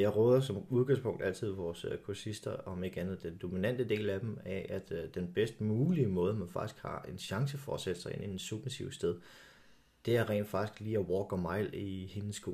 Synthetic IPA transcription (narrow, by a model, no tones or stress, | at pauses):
jɑ̈ɪʁœːðˠɐsɒ̽muð̞ˠɡ̥ɑ̈ŋspʰɔ̽ŋ̰d̥æl̰t͡sʰið̞ˠʋɒːskʰuɐsisd̥ɐɒ̽meɡ̥ænð̩ˠd̥end̥o̝minæn̰d̥əd̥e̝̰ːlæd̥em̩æʔæd̥d̥enb̥esd̥muːliəmɔ̽ːð̞ˠəmænfɑ̈ɡ̥i̥sɡ̥hɑ̈e̝nɕɑ̈ŋs̬əfɒsed̥ə̥sɑ̈ɪe̝nʔid̥e̥suɡ̥nisiʊsd̥eð̞ˠ | d̥e̝æɐʁɛ̰nd̥fɑ̈ɡ̥isɡ̥liːæwɒːɡ̥ɒmɑ̈ɪ̰lihenəsːɡ̥o̝̰ː